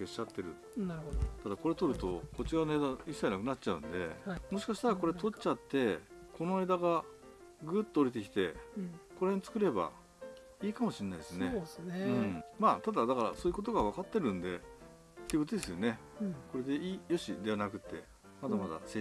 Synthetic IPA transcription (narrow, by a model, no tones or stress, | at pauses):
e̞ɕat̪ːe̞ɾɯ̟̰ | ot̪ad̪ako̞ɾe̞t̪o̞ɾɯ̟t̪o̞ko̞t͡ɕiɡanoeːd̪aisːainakɯ̟nat͡ɕaɯ̟̰̃nd̪e̞mo̞ɕi̥kaɕi̥t̪aɾako̞ɾe̞t̪o̞t͡ɕat̪ːe̞kʰo̞no̞e̞ːd̪aɡa | ɡɯ̟t̪ːoːɾʲit̪̬e̞k̬ʲi̥t̪e̞ko̞ɾaheɲt͡sɨ̥kɯ̟ɾe̞ba̰ | iːkamo̞ɕiɾenaid̪esɨneɯ̟̃ɴmaːt̪ad̪ad̪akaɾa̰soːjɯko̞t̪o̞ɡaβ̞akat̪ːe̞ɾɯ̟̃nd̪e̞ | t̪ːeɡot̪od̪e̞sɨjo̞ne̞ko̞ɾe̞d̪e̞iːjo̞ɕḭd̪e̞anakɯ̟t̪ːe̞ | mad̪amad̪a̰se